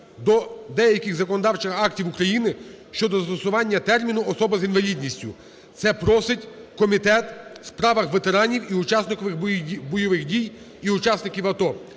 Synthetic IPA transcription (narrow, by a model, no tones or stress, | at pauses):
d̪ɔd̪ɛjɐkʲɪɣzɐkɔnɔd̪ɑwt͡ʃɪxɑktʲiwukɾɐjinɪ | ʃt͡ʃɔd̪ɔzt̪ɔsʊʋɑnʲːɐt̪ɛrmʲinʊɔsɔbɐzinʋɐlʲid̪ʲnʲisʲtʲʊ | t̪sɛpɾɔsɪtʲkɔmʲit̪ɛt̪spɾɑʋɐxʋet̪eɾɑnʲiwiʊt͡ʃɑsnɪkɔʋɪxbɔjɔʋɪxdʲij | iʊt͡ʃɑsnɪkʲiwɐt̪ɔ